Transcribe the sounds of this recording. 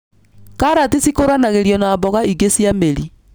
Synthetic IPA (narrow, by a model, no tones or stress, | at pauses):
kaɾatisikoɾanaɣeɾjɔnaβɔɣaiɡesjameɾi